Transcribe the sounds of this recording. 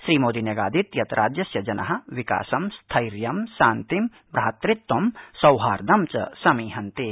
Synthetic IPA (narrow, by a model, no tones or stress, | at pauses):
ʃɾiːmoːd̪injɐɡa̰ːd̪it̪jɐt̪ɾʔaːd͡ʒjɐsjɐd͡ʒɐnʔɐɦɐ̆ʋika̰ːsɐmst̪ʰɐjɾjɐmsaːnt̪im | bɾɐɦɐt̪ɾɪt̪wɐmsɐwɦaːɾd̪ɐmt͡ʃɐ̰sɐmiːɦɐnt̪eː